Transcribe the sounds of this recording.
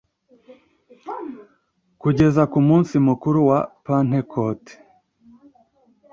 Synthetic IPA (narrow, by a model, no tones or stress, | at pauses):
kuɟe̞zakumuːnsimukuɾuwapan̥hekʰote̥